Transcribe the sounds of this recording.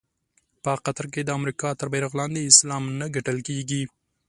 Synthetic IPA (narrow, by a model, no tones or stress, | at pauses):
pəqat̪ɾk̬ed̪əamɾikɑt̪əɾbeɾaɣlɑnd̪eɪslɑmnəɡaʈəlkeɡi